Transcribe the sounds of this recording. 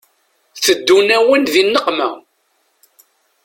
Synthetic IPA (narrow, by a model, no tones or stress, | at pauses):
θəd̪ːunæwənðinːəqmæ